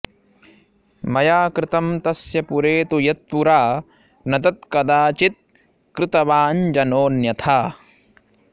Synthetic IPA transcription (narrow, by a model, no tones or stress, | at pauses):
mɐjaːkɾɪt̪ɐmt̪ɐsjɐpuɾeːt̪ujɐt̪̚puɾaː | nɐd̪ɐt̪kɐd̪aːt͡ʃit̪̚ | kɾɪt̪ɐʋaːnd͡ʒɐnoːnjɐt̪ʰaː